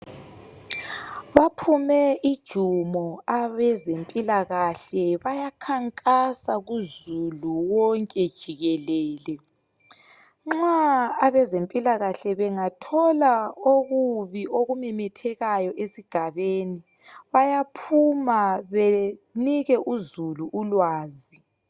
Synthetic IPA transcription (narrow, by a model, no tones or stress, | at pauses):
βapʰumɛid̥ʒ̥ʱumɔaβɛzempʼilaɣaɬɛβajakʰaŋkʼasaɣuzuluwɔŋkʼɛd̥ʒ̥ʱiɣɛlɛːlɛ | ŋ͡ǁaːβɛzempʼilaɣaɬɛβɛŋatʰɔlaoɣuβioɣumɛmɛtʰɛɣajɔʔesiɡ̥ʱaβeːni | βajapʰumaβeniɣɛʔuzuluʔːlwaːzi